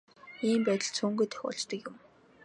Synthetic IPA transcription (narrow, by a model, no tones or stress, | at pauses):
iːmpæt̪ʲə̆ɮt͡sʰuːŋɡujt̪ʰœ̥xʲɔ̰ɮt͡ɕt̪ə̆kjʊm